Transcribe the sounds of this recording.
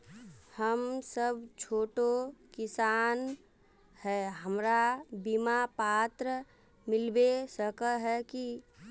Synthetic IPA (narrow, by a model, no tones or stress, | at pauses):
həmsəbt͡ʃʰoːʈokɪsaːn | hɛɦəmɾabimapaːt̪ɾə | mɪlbesəkəɦɛki